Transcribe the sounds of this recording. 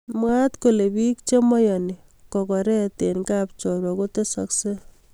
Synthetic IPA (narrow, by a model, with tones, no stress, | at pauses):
mwat̪ko˨le˨bi˦k̚t͡ʃe˦mɔ˦jɔni˨ | kɔ˨kɔ˨ɾɛt̪e˨nkap̚t͡ʃɔ˨ɾwɔ˨ko˦te˦sa̰kse˦